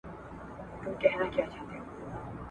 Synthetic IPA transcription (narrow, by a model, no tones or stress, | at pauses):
t̪ʊmkɛɦnakjaːt͡ʃaɦt̪eo